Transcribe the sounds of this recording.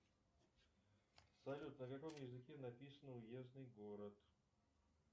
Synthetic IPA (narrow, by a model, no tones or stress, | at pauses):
sɐlʲut̪nəkɐkomjɪzɨkʲenɐpʲisənəʊjeznɨjɡoɾət̪